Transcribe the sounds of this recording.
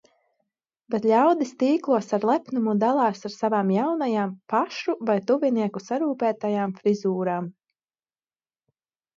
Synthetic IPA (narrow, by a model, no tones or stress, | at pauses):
bɛt̪ʎʲawd̪ist̪iːklˠuɔsaɾlˠɛpnumud̪alˠɑːsaɾsavaːmjawnajaːmpaʃuvajt̪uviniɛkusaɾuːpæːt̪ajaːmfɾizuːɾaːm